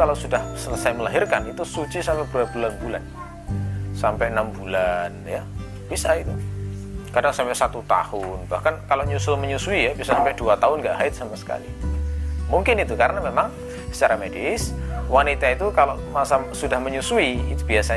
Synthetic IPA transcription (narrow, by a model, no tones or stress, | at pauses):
alosudahsələsajməlaɦɪrkanit̪usut͡ʃisampɛb̥uabulanbula̰n | sampɛʔənambulanja | b̥isait̪u | kadaŋsampɛʔsat̪ut̪a̰hʊnb̥ahkankaloʔɲusʊməɲusuijabisasampɛʔduat̪aɦʊnɡaʔɦaɪt̪̚sampasə̥ka̰lḭ | muŋkɪnit̪ukaɾənamemaŋ | sə̥t͡ʃaɾamediswanit̪ait̪ukaloʔmasasudahməɲusuiːt̪ub̥iasa